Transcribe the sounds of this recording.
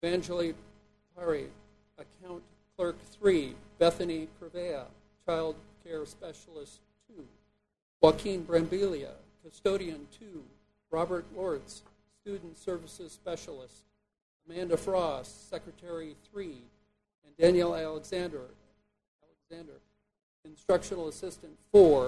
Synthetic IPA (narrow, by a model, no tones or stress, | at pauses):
væ̃nd͡ʒl̩ˠi | pʰɛɹi | əkʰãʊ̃n | kʰl̥ɜ˞kθɹib̥ɛθɨnikʰɹ̥ɨveɪə̰ | t͡ʃʰaɪlˠd̚kʰɛɹspɛʃl̩ˠəstʰʉ | wɑkʰĩnbɹæ̃mbilˠiɨ̰kʰɨstoʊɾiɨ̃ntʰʉ | ɹɑbə˞tˡlɔɹtsː | tʉdⁿn̩tsɜ˞vɨsɨz̥spɛʃl̩ˠɪst | əmæ̃ndɨfɹɔssɛkɹɨtʰɛɹiθɹi | ɨ̃ndæ̃njl̩ˠælˠəɡzæ̃ndə˞ | ælˠəɡzæ̃ndə˞ | ɨ̃nstɹ̥ʌkʃnl̩ˠəsɪstɨ̃ntfɔɹ